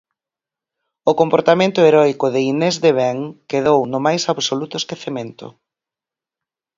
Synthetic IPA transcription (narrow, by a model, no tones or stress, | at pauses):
ʊkompoɾt̪amẽnt̪ʊeɾɔjkʊðɪinezðeβɛŋkeðownʊmajsaβsolut̪ʊeskeθemẽnt̪ʊ̰